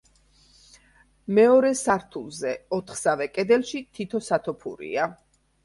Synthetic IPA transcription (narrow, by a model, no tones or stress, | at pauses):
mɛɔɾɛsaɾt̪ʰulˠzɛɔt̪ʰχsavɛkʼɛd̪ɛlˠʃit̪ʰit̪ʰɔsat̪ʰɔpʰṵɾḭa